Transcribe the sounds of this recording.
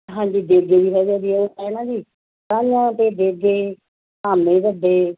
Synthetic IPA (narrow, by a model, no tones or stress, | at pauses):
ɦãːɲd͡ʒiːd̪eːɡeːd̪iːɦɛːd͡ʒaːd̪iːɛːoːɛːnãːd͡ʒiː | kaːlãːt̪eːd̪eːɡeː | aːmnẽːʋəɖeː